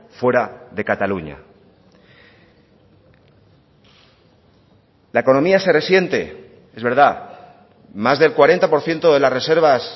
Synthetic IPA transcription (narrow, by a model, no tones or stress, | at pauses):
fwe̞ɾaðe̞kat̪aluɲa̰ | laeko̞nomiase̞re̞sje̞nt̪e̞̰ | e̞zβe̞ɾða | mazðe̞lkwaɾe̞nt̪apo̞ɾθje̞nt̪o̞ðe̞lasre̞seɾβ̞as